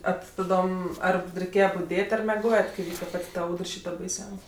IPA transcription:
ɐ tʲɪ tɐˈdoːm ˈɐr rʲɛɪˈkʲeːjɛ bʊˈdʲeːtʲ ɐr mʲɛˈɡoːjɛt kɐɪ ˈʋʲiːkɐ ˈpɐtʲ tɐ ˈɐʊdr ˈʃʲiːtɐ bɐɪˈsʲɛʊsʲ

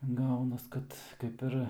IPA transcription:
ˈɡɐʊnɐs ˈkɐt ˈkɐɪp ɪr

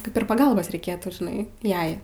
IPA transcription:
ˈkɐɪp ɪr pɐˈɡɐlˠboːs rʲɛɪˈkʲeːtuː ʒʲɪˈnɐɪ ˈjɛɪ

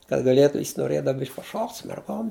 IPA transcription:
kɐt ɡɐˈlʲeːtʊ jɪs noːˈrʲeːdɐw ˈbʲɪʃʲkʲ pɐˈʃoːktʲ sʊ mʲɛrˈɡoːm

